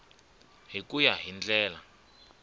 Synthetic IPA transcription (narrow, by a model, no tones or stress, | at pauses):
ɦikujaɦind͡ɮɛːla